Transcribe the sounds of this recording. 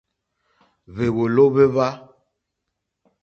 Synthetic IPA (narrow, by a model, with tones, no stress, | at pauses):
βe˨wo˨lo˦βe˦βa˦